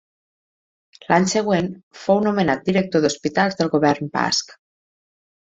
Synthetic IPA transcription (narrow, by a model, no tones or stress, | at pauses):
lʔaɲsəɣ̞wenfownomenat̪̚d̪iɾɛk̚t̪oðospit̪alˠzðəlˠɣoβɛɾmpa̰sk